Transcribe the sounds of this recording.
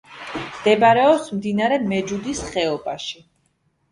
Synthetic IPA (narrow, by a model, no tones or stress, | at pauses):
md̪̥ɛbaɾɛɔpsmd̪inaɾɛmɛd͡ʒud̪isχɛɔbaʃi